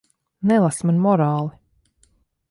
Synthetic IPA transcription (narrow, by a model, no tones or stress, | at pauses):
nɛlˠasmanmɔɾaːlˠi